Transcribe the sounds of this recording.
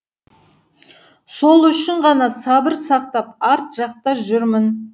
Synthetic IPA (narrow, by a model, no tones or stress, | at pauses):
so̞lˠʏʃɪɴʁɑnɑsɑbɪɾsɑqt̪ɑpɑɾt̪ʒ̥ɑqt̪ɑʒʏɾmɪn